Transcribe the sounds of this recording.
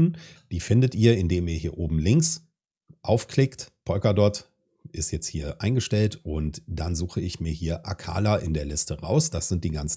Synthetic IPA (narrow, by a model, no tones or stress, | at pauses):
nd̥iːfɪndətʔiːɐɪndeːmiːɐhiːɐʔoːbm̩lɪŋks | ʔaʊfkl̥ɪktpʰɔʏkɐdɔɐt | ʔɪstjɛt͡sthiːɐʔa̰ɪnɡəʃtɛltʔʊntd̥anzuːxəɪçmiːɐhiːɐʔa̰kʰa̰ːlaʔɪndeːɐlɪstəʁa̰ʊsd̥asz̥ɪnt̚d̥iːɡant͡sn